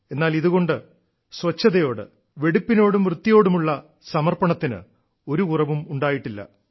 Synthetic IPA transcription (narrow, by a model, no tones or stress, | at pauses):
e̞nːaːliðuɣo̞ɳɖɨ | sʋɐt͡ɕːɐðɐjo̞ːɽɨ̰ | ʋe̞ɽupːino̞ːɽumʋrɨt̪ːijo̞ːɽumuɭːɐ | sɐmɐrpɐɳɐt̪ːinɨ̰ | o̞ɾukurɐʋumuɳɖaːjiʈːilːɐ̰